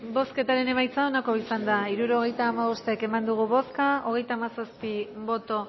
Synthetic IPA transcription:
bo̞ske̞t̪aɾe̞ne̞majt͡sao̞nako̞isand̪aiɾuɾo̞ɣ̞e̞jt̪aːmaβo̞st̪eːke̞mand̪uɣ̞uβo̞skao̞ɣ̞e̞jt̪aːmasospiβo̞t̪o̞

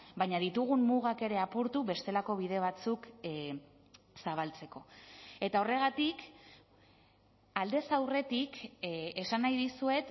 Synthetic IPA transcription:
bajɲaðit̪uɣumːuɣake̞ɾe̞apuɾt̪uβe̞st̪e̞lako̞β̞ið̞e̞β̞at͡suk | saβ̞alt͡se̞ko̞e̞t̪ao̞re̞ɣ̞at̪ik | ald̪e̞sawre̞t̪ike̞sanajðisue̞t̪

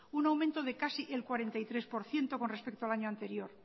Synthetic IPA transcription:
unawmẽnt̪oð̞e̞kasiʔelkwaɾe̞nt̪ajt̪ɾe̞spo̞ɾθje̞nt̪o̞ko̞nrespek̚t̪oalaɲoant̪e̞ɾjo̞ɾ

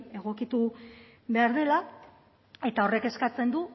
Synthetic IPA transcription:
e̞ɣ̞o̞kit̪u | βe̞aɾðe̞la | e̞t̪ao̞re̞ke̞skat͡se̞nd̪u

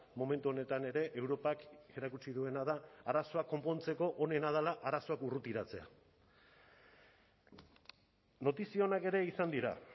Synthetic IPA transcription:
mo̞me̞nt̪uo̞ne̞t̪ane̞ɾe̞ʔewɾo̞pakɡe̞ɾakut͡siðue̞naðaːɾaso̞akːo̞mpo̞nt͡se̞ko̞ʔone̞nað̞alaʔaɾaso̞akurut̪iɾat͡se̞̰a̰ | no̞t̪isio̞nake̞ɾe̞isand̪iɾa̰

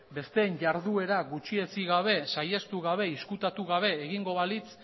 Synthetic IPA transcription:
be̞st̪e̞ːnʝaɾðue̞ɾaɣut͡ʃie̞t͡siɣaβ̞e̞sajest̪uɣaβe̞iskut̪at̪uɣaβ̞e̞ːɣiŋɡo̞βalit͡s

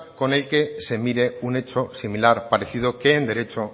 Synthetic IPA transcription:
ko̞ne̞lke̞se̞miɾe̞une̞t͡ʃo̞similaɾpaɾe̞θið̞oke̞ːnd̪e̞ɾe̞t͡ʃo

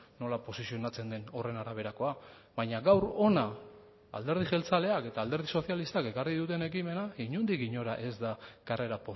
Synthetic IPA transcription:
no̞lapo̞sisio̞nat͡se̞nd̪e̞no̞re̞naɾaβ̞e̞ɾako̞a | βajɲaɡawɾo̞na | a̰ld̪e̞ɾð̞iʝe̞lt͡sale̞ake̞t̪aːld̪e̞ɾðiso̞θjalist̪ake̞kariðut̪e̞ne̞kime̞naiɲund̪iɣiɲo̞ɾaʔe̞zd̪akare̞ɾapo

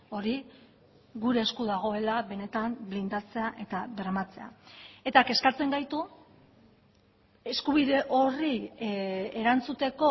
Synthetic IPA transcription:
o̞ɾi | ɣuɾe̞ːskuðaɣ̞o̞e̞laβe̞ne̞t̪amblind̪at͡se̞aʔe̞t̪aβe̞ɾmat͡se̞a̰e̞t̪ake̞skaɾt͡se̞ŋɡajt̪u | e̞skuβiðe̞ʔo̞ri | eɾant͡sut̪e̞ko̞

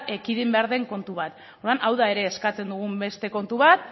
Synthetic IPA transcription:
ekiðimbe̞aɾðe̞ŋko̞nt̪uβat̪ | oɾðanʔawðae̞ɾe̞ːskat͡se̞nd̪uɣ̞umbe̞st̪e̞ko̞nt̪uβat̪̚

